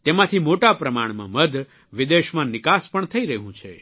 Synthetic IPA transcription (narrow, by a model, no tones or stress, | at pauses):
t̪emãt̪ʰimoʈapɾəmaɳ̃mã̰məd̪ʱ | ʋid̪eʃmãnɪkaspəɳt̪ʰəiɾəɦũt͡ʃʰḛ